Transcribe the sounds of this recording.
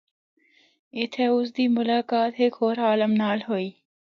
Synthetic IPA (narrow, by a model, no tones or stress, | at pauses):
ɪt̪ʰeʊsd̪iːmʊlaːkaːt̪ɦeːkʰoːɾaːlɐmnaːlɦoːiː